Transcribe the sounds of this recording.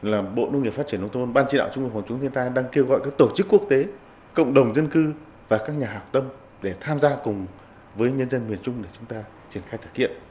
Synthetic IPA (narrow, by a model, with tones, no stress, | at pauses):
laː˨˩ɓo̰˧˨nu˧ŋi˩faː˦˥t̚t͡ɕi˧˩ə˨nʔwt̪ʰo˧nɓaː˧nt͡ɕi˧ɗa̰˧˨wt͡ɕʊ˧ŋ͡mv̚fa˨˩ŋ͡mt͡ɕʊ˨˦ŋ͡mt̪ʰi˧ənt̪aː˧jɗaː˧ŋke˧wɣɔ̰˧˨jkaː˦˥k̚t̪o˧˩t͡ɕɨ˦˥kːu˦˥ək̚t̪e˨˦ | kə̰˧˨wŋ͡mɗə˨˩wŋ͡mzə˧nkɨ˧ | vaː˨˩kaː˦˥k̚ɲaː˨˩ɦaː˨˩w̚t̪ə˧m | ɗe˧˩t̪ʰaː˧mzaː˧kʊ˨˩ŋ͡m | vəː˨˦jɲə˧nzə˧nmi˨˩ənt͡ɕʊ˧ŋ͡mɗe˧˩t͡ɕʊ˨˦ŋ͡mt̪aː˧ | t͡ɕi˧˩ənxaː˧jt̪ʰə̥˧˩t̚kḭ˧˨əm